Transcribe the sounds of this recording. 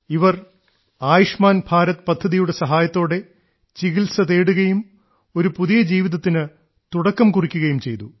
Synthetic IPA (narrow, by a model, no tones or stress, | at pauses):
iʋɐr | aːjiʂmaːnbʱaːɾɐt̪ːpɐd̪ʱːɐðijuɽe̞sɐɦaːjɐt̪ːo̞ːɽe̞ | t͡ɕiɣilsɐðeːɽuɣɐjum | o̞ɾupuðijɐd͡ʑiːʋiðɐt̪ːinɨ | t̪uɽɐkːɐmkurikʲːuɣɐjumt͡ɕe̞jt̪u